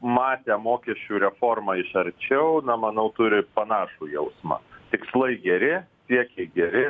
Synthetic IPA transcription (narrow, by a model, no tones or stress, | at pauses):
mɑːt̪ʲɛmoːkʲɛʃʲt͡ʃʲuːɾʲɛfoːrmɑɪʃɐɾʲt͡ʃʲɛʊnɐmɐnɐʊt̪ʊɾʲɪpɐnɑːʃuːjɛʊsmɑ̰t̪ʲɪkslˠɐɪɡʲɛɾʲɪsʲiɛkʲɛɪɡʲɛɾʲɪ